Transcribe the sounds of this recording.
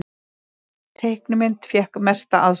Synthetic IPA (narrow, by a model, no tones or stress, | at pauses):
t̪ʰejhknʏmɪnt̪fjɛhkmɛst̪aʔað